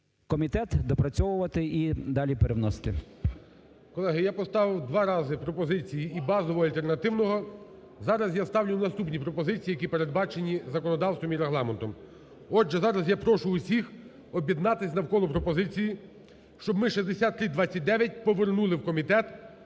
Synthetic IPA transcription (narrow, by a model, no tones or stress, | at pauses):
kɔmʲit̪ɛt̪d̪ɔpɾɐt͡sʲɔʋʊʋɐt̪ɪʔid̪ɑlʲipeɾewnɔsɪ̥t̪ɪ̰ | kɔlˠɛɦɪjapɔst̪ɑʋɪwd̪ʋɑɾɑzɪpɾɔpɔzɪt͡sʲijiːbɑzɔʋɔɐlʲt̪ernɐt̪ɪwnɔɦɔ | zɑɾɐsjast̪ɑwlʲʊwnɐst̪upnʲipɾɔpɔzɪt͡sʲijijɐkʲipeɾe̞d̪̚bɑt͡ʃenʲizɐkɔnɔd̪ɑwst̪ʋɔmiɾeɦlˠɑment̪ɔm | ɔd͡ʒʒɛzɑɾɐsjapɾɔʃʊʊsʲix | ɔbʲjid̪nɑt̪ɪsʲnɐwkɔlˠɔpɾɔpɔzɪt͡sʲiji | ʃt͡ʃɔbmɪʃizʲd̪esʲat̪ːɾɪd̪ʋɑt͡sʲːɐt̚ʲd̪ɛʋʲjɐt̚ʲpɔʋernulˠɪwkɔmʲit̪ɛt̪